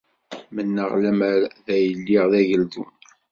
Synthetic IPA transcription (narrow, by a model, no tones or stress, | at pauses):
mənːəʁlæməɾðæjəlːiʁðæʝəld̪ṵm